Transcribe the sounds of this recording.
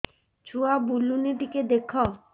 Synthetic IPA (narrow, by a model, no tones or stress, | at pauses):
t͡ɕʰuabuluniʈ̪iked̪ekʰɔ